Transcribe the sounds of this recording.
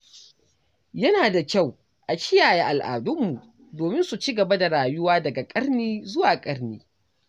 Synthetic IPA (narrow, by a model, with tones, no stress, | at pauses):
jɐ˦naː˨da˨kʲa˦˨w | ʔa˨kʲɪ˦jaː˨je˦˨ʔa˨lʔa̰ː˨dʊ˦mːu˨ | doː˨mɪ˦nsu˨t͡ʃi˦ɡɐ˨ba˦da˨ɾaː˨jʊ˦waː˦dɐ˨ɡa˨kʼɐ˦ɾniː˦zʊ˦waː˨kʼɐ˦ɾniː˦